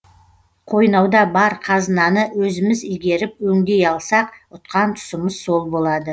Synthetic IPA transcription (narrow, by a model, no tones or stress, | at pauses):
qʰo̞jnɑwd̪ɑbɑɾqʰɑzənɑnəwɵzɪmɪzɪlɡʲe̞ɾɪp̚wɵŋd̪e̞jɑlˠsɑqʊt̪qɑnt̪ʰʊ̥səməzso̞lˠbo̞lˠɑd̪ə